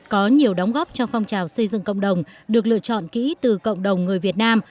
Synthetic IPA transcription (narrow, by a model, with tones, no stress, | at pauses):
kɔ˨˦ɲi˨˩əwɗa˨˦wŋ͡mɣɔ˦˥p̚t͡ɕɔ˧wfa˧wŋ͡mt͡ɕaː˨˩wsə˧jzɨ̰˧˨ŋkə̰˧˨wŋ͡mɗə˨˩wŋ͡mɗɨ˨˩ək̚lɨ̰˧˨ət͡ɕɔ̰˧˨nkḭ˧˥t̪ɨ˨˩kə̰˧˨wŋ͡mɗə˨˩wŋ͡mŋɨ˨˩əjvi˨˩ət̚naː˧m